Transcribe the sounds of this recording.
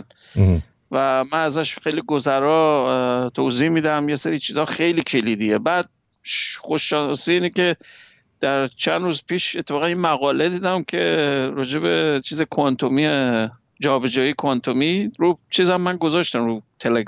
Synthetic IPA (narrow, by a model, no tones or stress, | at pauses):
n | væmænæzæʃxejliɡozæɾɒːt̪ʰozihmiːd̪æmjeseɾiːt͡ʃʰiːzɒːxe̞jliːkʰe̞lid̪ijebæːd̪̥̚ | ʃχoʃɒsiiːnekʲe̞ | d̪̥æɾt͡ʃʰænd̪ɾuːzpʰiːʃet̪ʰːefɒːɣæninmæɣɒːled̪iːd̪æmcʰe̞ɾɒːd͡ʒe̞bet͡ʃʰiːzekʰont̪ʰomie | d͡ʒɒːbe̞d͡ʒɒːjikʰont̪ʰomiɾut͡ʃʰiːzæmːænɡo̞zɒʃt̪æmɾuːt̪ʰeleɡ